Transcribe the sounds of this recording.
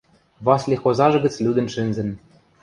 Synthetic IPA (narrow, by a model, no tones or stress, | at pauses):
vɑslʲixozɑʒɤ̆ɡɘ̆t͡slʲud̪ɘ̆nʃɘ̆nzɘ̆n